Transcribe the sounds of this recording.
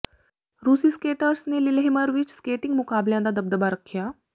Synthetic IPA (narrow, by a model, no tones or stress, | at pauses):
ɾusiːskeʈəɾsnelilɦeməɾʋiːt͡ɕskeʈiŋɡmukabljãnd̪ad̪əb̚d̪əbaɾəkʰːija